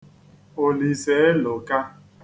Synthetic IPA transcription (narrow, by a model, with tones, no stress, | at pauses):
o˨li˨se˨˦e˦lo˨ka˦